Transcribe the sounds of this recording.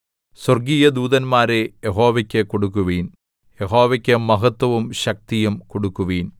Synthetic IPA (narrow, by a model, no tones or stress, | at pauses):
swɐrɡiːjɐd̪uːðɐnmaːɾejeɦo̞ːʋɐkʲːekoɽuk̬ːuʋiːn | jeɦo̞ːʋɐkʲːɐmːɐɦɐt̪wɐʋumɕɐk̚t̪ijɐmkoɽukːuʋiːn